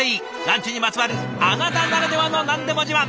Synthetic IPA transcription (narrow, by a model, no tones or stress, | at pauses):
iː | nãɲt͡ɕiɲ̟imat͡sɨβaɾɯanat̪anaɾad̪e̞βanonãnd̪e̞mod͡ʑima